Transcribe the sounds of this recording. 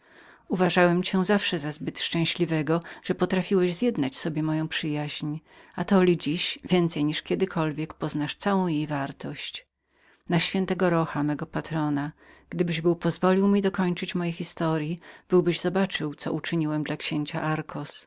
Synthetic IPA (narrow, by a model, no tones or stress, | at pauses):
uvaʐawɛmt͡ɕɛzafʂɛzazbɘt̪ʂt͡ʂɛ̃w̃ɕlʲivɛɡɔʐ̥ɛpɔt̪ɾafʲiwɛʑzjɛd̪nat͡ɕsɔbʲjɛmɔjɔ̃w̃pʂɘjaʑɲ | at̪ɔlʲid͡ʑiɕvʲjɛnt̪sɛjɲiʂkʲɛd̪ɘkʰɔlvʲjɛkpɔznaʂt̪sawɔ̃w̃jejvaɾt̪ɔɕt͡ɕ | naɕfʲjɛnt̪ɛɡɔɾɔxamɛɡɔpat̪ɾɔna | ɡ̥d̪ɘbɘʑbɘwpɔzvɔlʲiwmʲid̪ɔkɔɲt͡ʂɘt͡ɕmɔjexʲist̪ɔɾʲjib̥ɘwbɘʑzɔbat͡ʂɘwt̪sɔ̰ʔut͡ʂɘɲiwɛmd̪lakɕeɲt͡ɕa̰ʔaɾkʰɔs